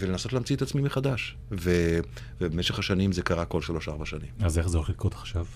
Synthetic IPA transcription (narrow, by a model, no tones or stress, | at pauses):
velenaso̞tlaːmt͡siet̪at͡smimeχad̪aʃ | ve | vebemeʃe̞χhaʃanimze̞kaʁako̞lʃalo̞ʃaʁbaʃanimazeχzeoleχlidkot̪ḁχʃav